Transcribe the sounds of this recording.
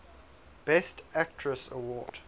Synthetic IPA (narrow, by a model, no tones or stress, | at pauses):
b̥ɛstæk̚tʰɹəsəwɔːd̥